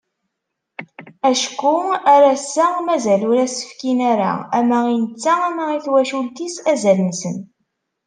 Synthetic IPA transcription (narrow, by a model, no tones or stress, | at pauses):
æʃkːuæɾæsːæmæzælʊɾæsə̥fkinæɾæ̰æmæinət͡sːææmæiθwæʃult̪isæzælənsən